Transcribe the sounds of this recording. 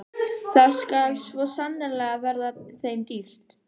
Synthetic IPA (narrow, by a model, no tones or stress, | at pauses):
θaðskalsvɔsanːɪlɛɣavɛɾðaθejmt̪ift̪